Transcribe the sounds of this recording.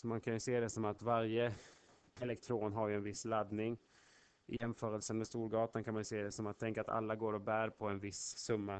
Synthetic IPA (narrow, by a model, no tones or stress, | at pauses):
sɔmankʰanjɵseːd̪ɛsɔmat̪vaɾjə | ɛlɛkt̪ʰɾoːnɦaɾjɵɛnvɪsːlad̪nɪŋ | ɪ̰jɛmfœːɾəlsənmɛst̪uːɾɡɑːt̪ankʰanmanjɵseːd̪ɛsɔmat̪ʰːɛŋkaat̪a̰lːaɡoːɾɔbæːɾpʰɔɛnvɪsːɵmːa